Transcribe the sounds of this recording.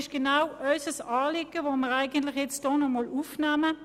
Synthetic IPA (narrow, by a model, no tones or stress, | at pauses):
ɪʃɡ̥enaʊœʏsəsɑːlɪɡəvoːməʁæɪɡəntlɪχjɛt͡std̥ɔːnɔmɔlufnæːmə